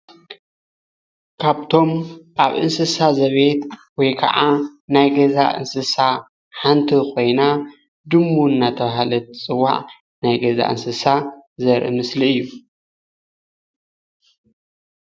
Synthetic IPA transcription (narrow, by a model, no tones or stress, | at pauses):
kʰaβt̪ʰo̞mʔaβʔɨnsɨsazɐβet̪wɔjkʰɐ̰ʕanajɡɐza̰ʔɨ̰nsɨsa | ħant̪ʰiko̞jna | d̪ɨmːuɨnːat̪ʰɐβaɦalɐt̪t͡sʼɨwːa̰ʕ | najɡɐza̰ʔɨ̰nsɨsazɐɾʔɨ̰mɨsliɨjːu